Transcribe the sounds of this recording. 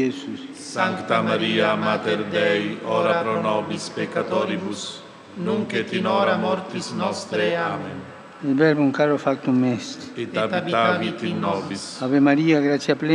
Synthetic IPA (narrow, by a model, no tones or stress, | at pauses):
esussaŋkt̪amaɾiamat̪eɾd̪ɛjɔɾapɾonɔbispekːat̪oɾibus | nũŋket̪inoɾamɔɾt̪isnɔst̪ɾeamen | elbɛɾbuŋkaɾofak̚t̪uŋmɛset̪aviavit̪inːɔbisaβemaɾiaɡɾasjaple